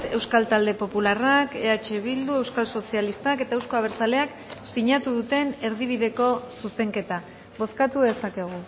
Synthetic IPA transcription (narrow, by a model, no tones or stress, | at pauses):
e̞wskalt̪ald̪e̞po̞pularake̞at͡ʃe̞βild̪ue̞wskalso̞sialist̪ake̞t̪aewsko̞aβ̞eɾt͡sale̞ak | siɲat̪uðut̪e̞ne̞ɾðiβ̞iðe̞ko̞suse̞ŋke̞t̪a | βo̞skat̪uðe̞sake̞ɣ̞u